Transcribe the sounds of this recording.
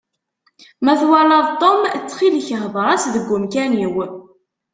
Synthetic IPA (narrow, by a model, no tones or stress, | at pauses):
mæθwalɑðˤt̪ˤːomt͡sːχilçəχvɾˤɑsðəɡʷːʊmkæniw